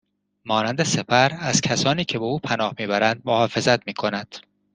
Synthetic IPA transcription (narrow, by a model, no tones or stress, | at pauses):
mɒːnænd̪e̞sepʰæɾæz̥cʲʰæsɒːniːcʰe̞beuːpʰænɒːhmiːbæɾænd̪̚mohɒːfe̞zæt̪miːkʰo̞nænd̪̥